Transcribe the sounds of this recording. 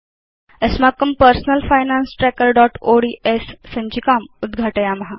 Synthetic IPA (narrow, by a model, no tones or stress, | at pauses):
əsmakːəmpəɾsnəlfajnansʈɾɛkəɾɖɔʈoɽiʔesːə̃ɲt͡ɕikamud̪ɡʱaʈəjaməɦa